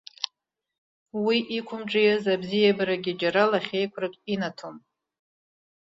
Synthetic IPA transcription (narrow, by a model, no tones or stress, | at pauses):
wiʔikʷʰʊmʈ͡ʂʼijazabzijabaɾaɡʲid͡ʒaɾalaχʲejkʷʰrɨkʲʼinatʰom